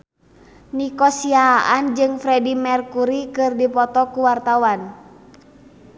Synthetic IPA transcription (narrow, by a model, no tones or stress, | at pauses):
nikɔsiaaʔand͡ʒɨŋfɾɛdimɛrkuɾikɨrdipɔt̪ɔkuwart̪awan